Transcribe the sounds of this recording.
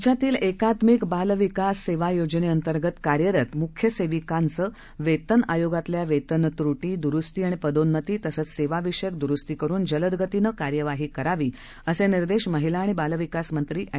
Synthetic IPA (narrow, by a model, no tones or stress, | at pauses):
t͡ɕat̪iːlekat̪mikbalʋikasːeʋajod͡ʑneənt̪əɾɡət̪kaɾjəɾət̪mukʰjəseʋikãnt͡sə | ʋet̪əna̰joɡat̪ljaʋet̪ənt̪ɾuʈiːd̪uɾust̪iːaɽ̃ipəd̪onːət̪iːt̪əsət͡sseʋaʋiʂjək̚d̪uɾust̪iːkəɾuːnd͡ʑələd̪ɡət̪inəkaɾjəʋaɦiːkəɾaʋiː | əseniɾd̪eɕməɦilaːɽ̃ibalʋikasmənt̪ɾiːʔa